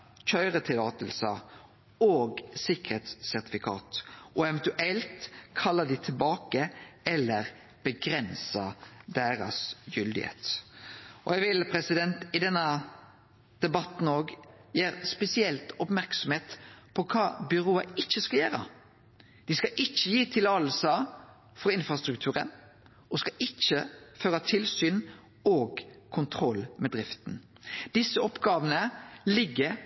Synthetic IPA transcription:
çœʏʁət̪ʰɪlɑːt̪əlsə | oːɡsɪkəɾeːt̪sːæʁt̪ɪfɪkʰɑ̰ːt̪ʔɔɛʋɛnt̪ʉʔɛlt̪kʰɑlːɑd̪ɪt̪ʰɪlbɑːkəɛlːəɾ | b̥əɡɾɛnsəd̪eːɾɑ̰sjʏld̪ɪhḛːt̪ | ʔɔjɛɡʋɪlpʰɾɛsɪd̪ɛnt̪ɪd̪ɛnːə | d̪̥ɛbɑt̪n̩oːɡjeːɾspɛsɪɛlt̪ɔpmæɾksɔmheːt̪pʰɔkʰɑːbʏɾoːəɪçːəskɑljæːɾə̰ | d̪̥ɪskɑʔɪçːəjiːt̪ʰɪlɑlsɑ | fɔɾɪnfɾɑst̪ɾʉkt̪ʰʉːɾə̰n | ɔskɑʔɪt͡ʃːəføːɾɑt̪ʰɪlsyːn | oːɡkʰʊnt̪ʰɾɔlːmɛd̪ɾɪft̪n̩ | d̪̥ɪsːəɔpɡɑːʋənəlɪɡːəɾ

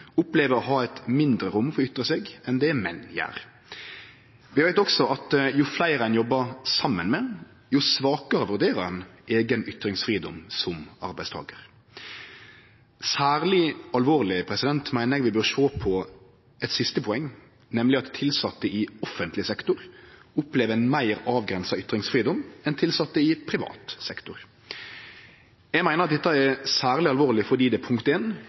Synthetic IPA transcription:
ʊpleːʋəɾɔɦɑːɛt̪mɪnd̪ɾəɾʊmfɔɾʁɔʏt̪ːɾəseːɡɛnd̪ɛːmɛnːjæ̰ːʁ | ʋɪʋæɪt̪ɔksɔʔɑt̪jʊflæɪɾæɪnjɔbːəʁsɑmːənmɛ | jʊsʋɑːkəɾəʋʉʁd̪eːɾəɾɛnʔeːɡənʏt̪ɾɪŋsfʁiːd̪ɔ̰msɔmɑ̰ɾbæɪst̪ʰɑ̰ːɡəʁ | sæːʁlɪɑlʋoːʁlɪpʰɾɛsɪd̪ɛnt̪mæɪnəɾʋɪbøːʁʂoːpʰɔ | ɛt̪sɪst̪əpʰɔɛŋː | nɛmlɪɑt̪tʰːɪlsɑt̪ːəɪɔfənt̪lɪsɛkt̪ʊɾʊpleːʋəɛɪnmæɪɾɑːʋɡɾɛnsɑʏt̪ːɾɪŋsfɾiːd̪ɔmɛnt̪ʰɪlsɑt̪ːəɪpʰɾɪʋɑ̰ːt̪sɛkt̪ʊɾ | jæɪmæɪnəʁɑt̪d̪ɛt̪ːɑɛsæːʁlɪɑlʋoːʁlɪfɔʁd̪iːd̪ɛpʰʊŋkt̪eːn

